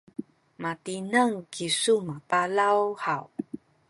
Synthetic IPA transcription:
matinəŋkʰisumapalawhaw

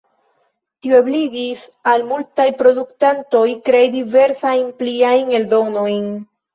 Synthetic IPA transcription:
tioebliɡisalmultajpɾo̞duktanto̞jkɾejdive̞ɾsajnpliajne̞ldo̞no̞jn

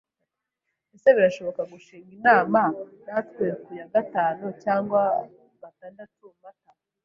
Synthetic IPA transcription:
eseβiɾaʃo̞βo̞kaɡuʃiːŋɡinaːmanatkeɾukujaɡataːnocaːŋɡwa | βataːndatumata

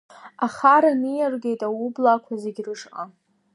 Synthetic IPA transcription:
aχaɾanijarɡʲejtʼawublakʷʰazeɡʲrɨʂqʼa̰

